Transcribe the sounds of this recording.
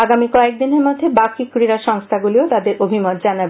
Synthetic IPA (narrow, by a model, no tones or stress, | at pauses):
aɡamikɔeek̚d̪ineɾmod̪ʱːebakikɾiɾaʃɔŋst̪ʰaɡuliot̪ad̪eɾobʱimot̪̚d͡ʑanabe